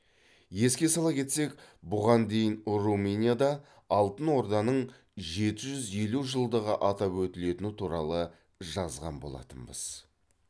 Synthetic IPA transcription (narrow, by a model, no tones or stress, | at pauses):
je̞skʲe̞sɑlˠɑpkʲʰe̞t̪se̞kbʊʁɑnd̪e̞jɪnruminʲijad̪ɑː | lˠt̪ənwo̞ɾd̪ɑnəɴ | ʒe̞t̪ɪʒʏzje̞luʒəlˠd̪əʁəʔɑt̪ɑpwɵt̪ɪle̞t̪ɪnɪt̪ʰuɾɑlˠə | ʒɑzʁɑ̰nbo̞̰lˠɑ̰t̪ənbə̰z̥